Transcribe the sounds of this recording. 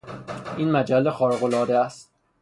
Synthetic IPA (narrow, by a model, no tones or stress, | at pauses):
ʔiːnmæd͡ʒælːexɒːɾeɣo̞lɒːd̪eæst̪̚